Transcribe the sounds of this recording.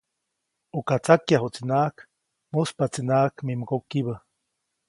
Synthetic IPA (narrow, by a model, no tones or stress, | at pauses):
ukat͡sakjaɦot͡sinaːk | muspat͡sinakmimkokiβə